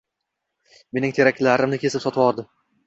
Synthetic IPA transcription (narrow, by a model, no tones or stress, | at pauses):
me̞nɪŋt̪ʰe̞ɾakʲlaɾɪmnɪkʲʰe̞sɪpsɒt̪ʰwɒɾd̪ɪ